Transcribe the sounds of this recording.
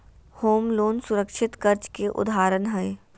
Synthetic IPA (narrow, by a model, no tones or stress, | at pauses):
hoːmloːnsʊɾəkʃɪt̪kɐɾt͡ʃkeʔʊ̰d̪aːɾənɦɛj